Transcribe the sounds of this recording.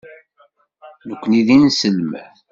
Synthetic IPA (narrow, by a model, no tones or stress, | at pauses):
nəkʷːəniðinsəlmæ̰θ